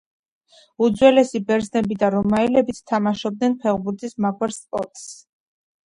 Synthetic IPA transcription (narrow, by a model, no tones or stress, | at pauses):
ud̪zwɛlɛsibɛɾznɛbid̪aɾɔmaɛlɛbit̪ʰt̪ʰamaʃɔb̚d̪nɛnpʰɛʁbuɾt̪ʰʼismaɡwɛɾspʼɔɾt̪ʼs